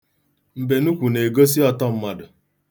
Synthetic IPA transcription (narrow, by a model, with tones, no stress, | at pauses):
m̩˨be˨nu˦kʷu˨ne˨ɡo˦s̬i˦ɔ˦tɔ˦m̩˦ma˦dʊ˨